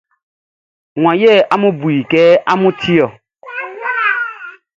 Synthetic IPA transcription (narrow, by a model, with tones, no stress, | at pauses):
ŋ̃ʷã˨jɛ˦˨ʔa˦mũ˦bu˨i˨kɛ˦a˦mũ˦tʰi˦ɔ˨